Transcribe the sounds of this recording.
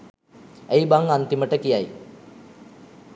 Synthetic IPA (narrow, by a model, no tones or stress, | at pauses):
ejbaŋant̪iməʈəkijaj